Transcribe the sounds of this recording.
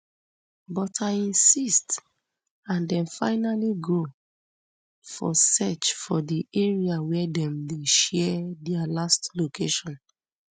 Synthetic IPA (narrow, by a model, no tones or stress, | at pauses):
bɔtʰaĩnsist | ãndɛ̃nfa̰ɪnaliɡo | fɔ̰sɛt͡ʃfɔdiɛɹiawɛdɛ̃mdeʃɛdɛalastlokʰeʃɔ̃n